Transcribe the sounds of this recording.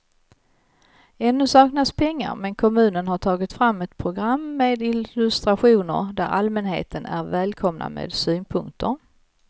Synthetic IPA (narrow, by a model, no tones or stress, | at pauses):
ɛnːɵsɑːknaspʰɛŋːa̰ɾmɛnkʰɔmʉ̟ːnənɦaʈʰɑːɡɪt̪fɾamːɛt̪pʰɾʊɡɾamːeːd̪ɪlɵst̪ɾaɧuːnə̰ɾd̪æɾalmɛnɦḛːt̪ʰənæɾvɛːlkʰɔmna̰mḛːd̪syːnpʰɵŋkt̪ʰəɾ